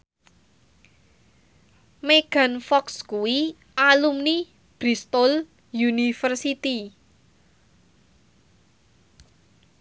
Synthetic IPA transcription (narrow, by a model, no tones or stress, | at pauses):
meɡ̥a̤nfɔkskuwi | alumni | b̥ɾist̪ol | junifərsit̪i